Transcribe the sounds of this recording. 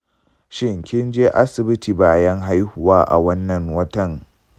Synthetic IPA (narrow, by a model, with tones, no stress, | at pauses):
ʃɪ˦ŋkʲɪ˦nd͡ʒeː˦ʔa˦sɪ˨bɪ˦tiː˨baː˨jɐ˦ŋɦa˦jhʊ˨waː˦ʔa̰˨wɐ˦nːɐ˨ŋwɐ˦tɐ˨ŋ